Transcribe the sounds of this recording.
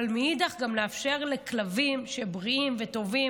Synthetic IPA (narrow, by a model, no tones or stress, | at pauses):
lmiidaχɡamleafʃe̞ʁleklavimʃe̞bʁiimveto̞vi